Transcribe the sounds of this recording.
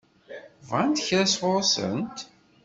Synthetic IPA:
vʁant̪əçɾæswʊɾˤsə̰nt̪

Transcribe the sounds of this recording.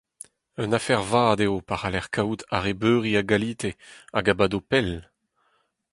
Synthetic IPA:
œnafɛʁvaːdeopaʁalɛʁkʰawt̪aʁebøːʁiaɡaliːt̪ea̰ɡabad̪opɛl

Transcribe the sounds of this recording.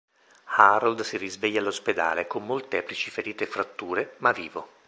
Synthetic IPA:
haɾold̪sirizveʎːaːlːosped̪a̰ːlekomːolt̪ɛːplit͡ʃifeɾiːt̪efɾat̪ːuːɾemaviːvo

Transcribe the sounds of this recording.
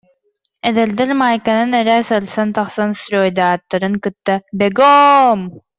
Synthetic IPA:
ɛðɛld̪ɛɾmaːjkananɛɾæːsalsant̪aχsanst̪ɾɔːjd̪aːt̪ːaɾɯŋkɯt̪ːabɛɡɔm

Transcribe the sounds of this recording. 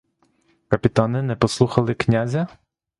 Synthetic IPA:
kɐpʲit̪anɪnɛpɔslˠuxɐlˠɪknʲazʲɐ

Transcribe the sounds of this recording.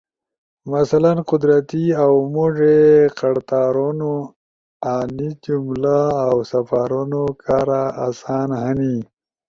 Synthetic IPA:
masalanqʊd̪ɾat̪iawmuʐeqaɽt̪aːɾuno | anid͡ʒumlaːwsafaːɾunokʰaɾaːsɑːnhani

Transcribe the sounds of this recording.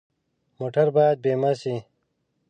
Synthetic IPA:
moːʈʰɐɾbaːd̪̚beːmɐsi

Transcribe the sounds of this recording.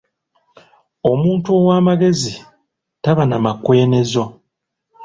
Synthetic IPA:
o̞muːntuowaːmaɡe̞zi | taβanamakwe̞ːne̞zo̞

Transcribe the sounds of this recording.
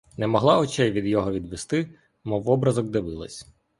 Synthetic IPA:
nɛmɔɦlˠɑɔt͡ʃɛjʋʲid̪jɔɦɔʋʲid̪ʋɪst̪ɪ | mɔwɔbɾɐzɔk̚d̪ɪʋɪlˠɐ̰sʲ

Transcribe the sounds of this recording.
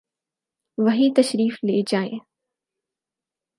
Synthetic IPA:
ʋɐɦit̪ɐʃɾiːfleːd͡ʑaːḛ̃

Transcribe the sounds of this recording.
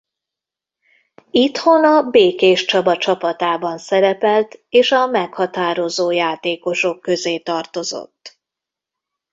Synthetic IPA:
it̪ho̞nɒbeːkeːʃt͡ʃɒbɒt͡ʃɒpɒt̪aːbɒnsɛɾɛpɛlt̪eːʃɒmɛkhɒt̪aːɾo̞zoːjaːt̪eːko̞ʃo̞kːø̞zeːt̪ɒrt̪o̞zo̰t̪ː

